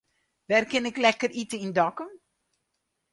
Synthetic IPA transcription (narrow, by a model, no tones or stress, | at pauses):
ʋɛrkɪnɛklɛkəritəindɔkə